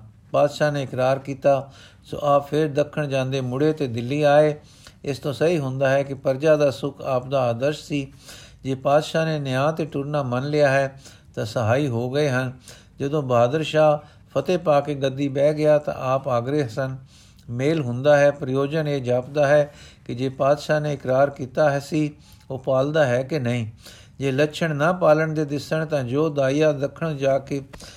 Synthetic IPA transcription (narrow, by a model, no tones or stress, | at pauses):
paːd̪ʃaːneːɪkɾaːɾkiːt̪aː | so̰ːʔaːppʰɪɾd̪əkʰːəɳd͡ʒãːnd̪eːmʊɽeːt̪eːd̪ɪlːiːaːeː | ɪst̪õːsəɦiːɦʊ̃nd̪aːɦɛːkɪpəɾd͡ʒaːd̪aːsʊkʰaːp̚d̪aːd̪əɾʃsiːd͡ʒeːpaːd̪ʃaːneːnɪjãːt̪eːʈʊɾnaːmənlɪjaːɦɛː | t̪ãːsəɦaːiːɦoːɡəeːɦən | d͡ʒəd̪õːbaːd̪əɾʃaː | pʰət̪eːpaːkeːɡəd̪ːiːbɛːɡɪjaːt̪ã̰ʔaːpaːɡɾeːsən | meːlɦʊ̃nd̪aːɦɛːpɾəjoːd͡ʒəneːd͡ʒaːpd̪aːɦɛːkɪd͡ʒeːpaːd̪ʃaːneːɪkɾaːɾkiːt̪aːɦɛːsiː | oːpaːld̪aːɦɛːkɪnəĩː | d͡ʒeːləkːʃʰəɳnãːpaːləɳd̪eːd̪ɪsəɳt̪ãːd͡ʒoːd̪aːijaːd̪əkʰːəɳd͡ʒaːkeː